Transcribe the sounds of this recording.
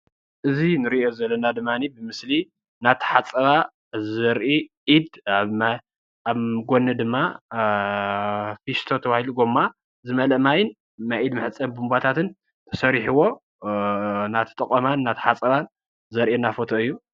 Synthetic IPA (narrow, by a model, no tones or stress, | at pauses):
ʔɨzinɨɾiʔozɐlːɐnad̪ɨmːanibɨmɨsli | nat̪ʰːħat͡sʼɐβa | zɐɾʔiʔid̪aβ | aβɡonːɨd̪ɨmːa | fist̪ʰo̞t̪ʰɐβahiluɡomːa | zɨmɐlɐʔmajɪn | naʔid̪mɨħɨt͡sʼːɐmbumbat̪ʰat̪ɨn | t̪ʰɐ̥sɐɾiħuwo̞ | nat̪ʰɨ̥t̪ʼɐkʼɐmanːat̪ʰħat͡sʼɐβan | zɐɾʔenafo̞t̪ʰo̞ɨjːu